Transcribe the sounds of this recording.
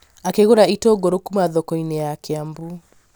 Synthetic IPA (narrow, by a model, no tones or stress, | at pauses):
akeɣoɾaitoɡoɾokumaðɔkɔinejakeambu